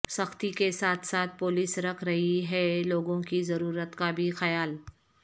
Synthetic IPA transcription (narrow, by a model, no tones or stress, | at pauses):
sɐxt̪ikesaːt̪ʰsaːt̪̚ʰpʊːlɪsɾɐkʰɾɐɦiɦɛloːɡõkizɐɾuːɾət̪kabʱixɐjaːl